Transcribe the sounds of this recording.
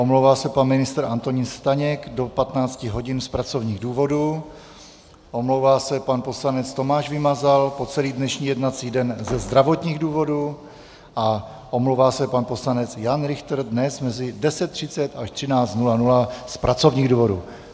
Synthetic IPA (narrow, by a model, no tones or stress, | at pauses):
ʔomlowvaːsɛpanmɪnɪst̪ɾ̩ant̪o̞ɲinst̪aɲɛkdo̞pat̪naːt͡scɪɦo̞ɟɪnspɾat͡so̞vɲiːɣduːvo̞du | ʔo̞mlowvaːsɛpanpo̞slanɛt͡st̪o̞maːʃvɪmazalpo̞t͡sɛliːdnɛʃɲiːjɛdnat͡siːdɛnzɛzd̪ɾavo̞t̪ɲiːɣduːvo̞du | ʔa | ʔo̞mlowvaːsɛpanpo̞slanɛt͡sjanɾɪxt̪ɾ̩dnɛsmɛzɪdɛsɛt̪ːr̝̥ɪt͡sɛt̪aʃt̪r̝̥ɪnaːt͡st̪nulanulaspɾʔat͡so̞vɲiːɣduːvo̞dṵ